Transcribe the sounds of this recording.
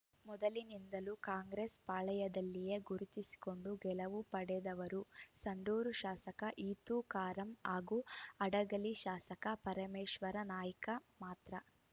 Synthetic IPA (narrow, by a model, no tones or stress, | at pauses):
mɔd̪ɐlinind̪ɐlukaːŋɡɾeːspaːɭɐjɐd̪ɐlːije̞ɡuɾut̪isi̥ko̞ɳɖuɡɛlɐʋupɐɽɛd̪ɐʋɐɾusɐɳɖuːɾuʃaːsɐkɐʔiːt̪uːkaːɾɐmaːɡuɐɽɐɡɐliʃaːsɐkɐpɐɾɐmeːʃʋɐɾɐnaːjɐkɐmaːt̪ɾɐ